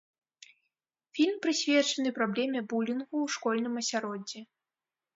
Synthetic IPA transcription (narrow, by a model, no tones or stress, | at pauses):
fʲilʲmpɾɨsʲvʲɛt͡ʂɐnɨpɾablʲɛmʲɛbulʲinɣuwʂkɔlʲnɨmɐsʲaɾɔd͡zʲɛ